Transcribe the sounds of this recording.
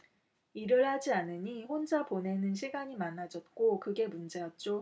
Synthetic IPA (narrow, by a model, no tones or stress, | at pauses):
iɾɯɭhad͡ʑianɯɲiɸond͡ʑapone̞nɯnɕ̬ʰiɡaɲimanːad͡ʑʌt̚k͈okɯɡe̞mund͡ʑe̞jʌt̚t͡ɕ͈o